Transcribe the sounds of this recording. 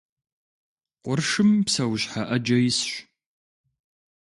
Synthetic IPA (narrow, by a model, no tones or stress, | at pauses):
qʷʊrʂɨmpsɐwɕħaʔɐd͡ʒɐjɪsɕʷ